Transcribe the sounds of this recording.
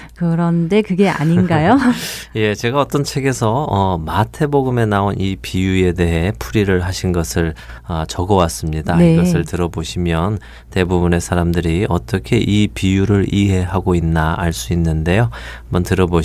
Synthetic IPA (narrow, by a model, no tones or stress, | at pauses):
kɯɾʌnde̞kɯɡe̞a̰ɲinɡajoje̞t͡ɕe̞ɡaʌt͈ʌnt͡ɕʰe̞ɡe̞sʰʌʌmatʰe̞boɡɯme̞naonʔipijue̞de̞ɦe̞pʰuɾiɾɯɭɦaɕʰinɡʌsʰɯɭʌt͡ɕʌɡʌwas͈ɯmɲidaiɡʌsʰɯɭtɯɾʌboɕʰimjʌn | te̞bubune̞sʰaɾamdɯɾiʌt͈ʌkʰe̞ʔipijuɾɯɾiɦe̞ɦaɡoinːaːɭs͈uinːɯnde̞joambʌntɯɾʌbo